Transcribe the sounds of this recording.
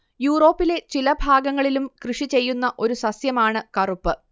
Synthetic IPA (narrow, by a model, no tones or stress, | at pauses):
juːro̞ːpːile̞t͡ɕilɐbʱaːɡɐŋːɐɭilumkrɨʂit͡ɕe̞jːunːɐʔo̞ɾusɐsjɐmaːɳɨkɐrupːɨ